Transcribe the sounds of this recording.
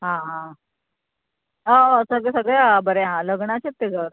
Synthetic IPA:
ɦãɦã | əsəɡɭɛsəɡɭɛɦãbəɾeɦãləɡɳat͡ɕet̪ːeɡʱəʋɾ

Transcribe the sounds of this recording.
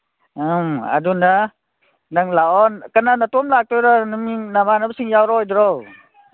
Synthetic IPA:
ɯma̰dunda | naŋlaɔnkananatɔmlak̚tɔjɾɔnɯminabʱanabsɯŋjawɾɔjdɾɔw

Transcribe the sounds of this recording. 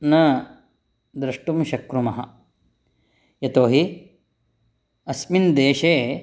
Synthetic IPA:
nɐ | d̪ɾɐʂʈumʃɐkɾumɐɦɐ̰ | jɐt̪oːɦi | ɐsmind̪eːʃeː

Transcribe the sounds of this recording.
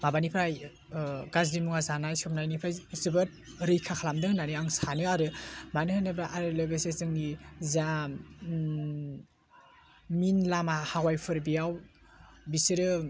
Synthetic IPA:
mabanipʰɾaj | ɡazdimuŋazanajsɔpnajnipʰɾajzɯbɯt̚ | ɾɯjkʰakʰalamdɯŋnaniaŋsanɯaɾɯmanɯhanɯbɾaʔaɾɯlobesezɯŋniza | minlamahawajpʰɯɾbijaw | bisiɾɯ

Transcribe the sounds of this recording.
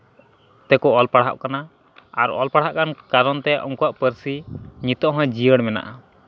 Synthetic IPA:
t̪ɛkɔɔlpaɽɦa̰ʔkana | aɾɔ̰lpaɽ̤ɦaʔkankaɾɔnt̪ɛʔɔ̰ŋkuaʔpəɾsiɲit̪ɔʔɦɔ̃jd͡ʒijəɽmɛna̰ʔa

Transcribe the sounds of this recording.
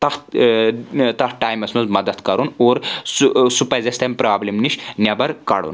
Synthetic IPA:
t̪ɐh | t̪ɐhʈaːjmɐsmɐnzmɐd̪ɐd̪kɐɾunoːɾssupɐzʲɐst̪ʰɐmʲpɾaːblimniʃnjɐbɐɾkɐ̰ɽṵn

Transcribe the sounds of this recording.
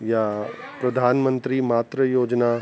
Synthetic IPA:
ja | pɾɐd̪ʱaːnmə̃nt̪ɾimaːt̪ɾəjoːd͡ʒna

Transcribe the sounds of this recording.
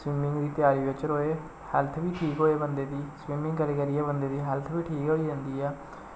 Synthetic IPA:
swiːmɪ̃ŋɡd̪iːt̪ɪjaːɾiːbɪt͡ʃəɾoːeː | hɛlt̪ʰbiːʈʰiːkɦoːeːbənd̪eːd̪iːswiːmɪ̃ŋɡkəleːkəɾiːɛːbənd̪eːd̪iːɦɛːlt̪ʰbiːʈʰiːkɦoːiːd͡ʒãːnd̪iːɛː

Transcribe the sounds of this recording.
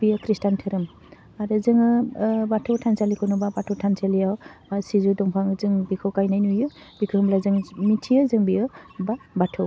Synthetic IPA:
bijɯkʰɾistantʰɯɾɯm | aɾɯzɯŋɯbatʰɯwtʰansalikʰɔnubabatʰɔwtʰansalijawsizudɔŋpʰaŋzɯŋbikʰɯwkajnajnujɯ | bikʰɯɦɯmlazɯŋmitʰiɯzɯŋbijɯbabatʰɯw

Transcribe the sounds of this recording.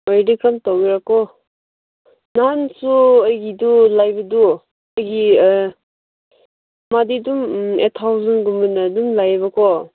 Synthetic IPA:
ɔjdikɾamtowɡiɾakɔ | nansuəjɡidulajbɐdu | əjɡi | madidumetʰːawzanɡumbanadumlajbɐkʰɔ

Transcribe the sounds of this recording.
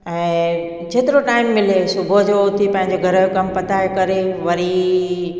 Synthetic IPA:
ɛ̃ː | t͡ɕeːt̪ɪɾoʈaːɪmːɪlesʊbʱod͡ʑot̪ʰipɐ̃ɦɪ̃ɲd͡ʑoɡʱəɾəjkɐmpɐt̪ajekɐɾeʋɐɾi

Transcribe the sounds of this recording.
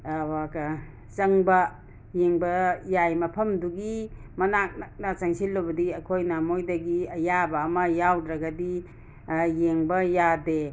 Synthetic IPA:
waka | t͡ʃɐŋbɐ | jeŋbɐjajmɐpʰɐmduɡi | mɐnak̚nak̚nɐt͡ʃaŋsilːobɐdiɐkʰojnamojdɐɡiɐjabɐːmɐjawdɾaɡadi | jeŋbɐjade

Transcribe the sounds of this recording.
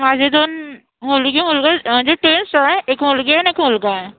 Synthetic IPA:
maːd͡ʒed̪oːn | mʊlɡimʊlɡad͡ʒoʈɾeːnsaɛ̃ʔeːkmʊlɡeɛneːkmʊlɡaɦɛ̃ː

